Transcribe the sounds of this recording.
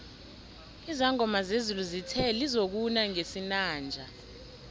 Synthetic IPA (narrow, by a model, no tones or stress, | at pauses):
izaŋɔmazezuluzitʰɛlizok̬unaŋesinaːnd͡ʒʱa